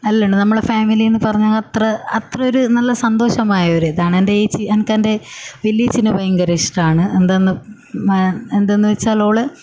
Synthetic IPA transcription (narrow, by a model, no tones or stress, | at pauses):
ɐlːeuɳɖɨnɐmːɐɭefaːmilijenːɨpɐrɐɲːaːɭɐt̪rɐɐt̪rɐo̞ɾunɐlːɐsɐnd̪o̞ːɕɐmaːjɐoɾeðaːɳende̞eːt͡ɕːiɐnkːɐende̞ʋɐlijɐt͡ɕinːɐbɐjɐŋɡɐɾiʂʈaːɳɨend̪enːɨ | end̪enːɨʋet͡ɕːaːlo̞ːɭɨ